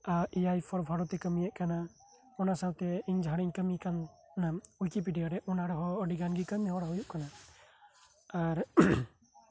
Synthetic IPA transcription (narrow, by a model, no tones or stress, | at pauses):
aʔijajpʰɔɾbʱaɽɔt̪ɛkəmijɛʔkana | ɔnasawt̪ɛiɲd͡ʒʱaɽ̃iɲkəmikanːaujkip̬iɖijaɾɛʔɔnaɽɔɦɔːɖiɡanɡikəmiɦɔɽaɦujuʔkana | aɾ